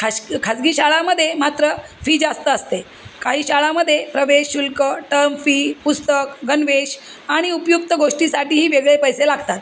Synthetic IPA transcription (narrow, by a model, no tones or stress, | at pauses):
kʰakʰad͡zɡiːɕaɭaməd̪ʱːjemat̪ɾə | fiːd͡zast̪əːst̪e | kaɦiːɕaɭaməd̪ʱːjepɾəʋeɕulkəʈəɾmfiːpust̪əkɡənʋeɕ | aɽ̃iupjuk̚t̪əɡoʂʈisaʈiːɦiːʋeɡɭepəjselaɡt̪at̪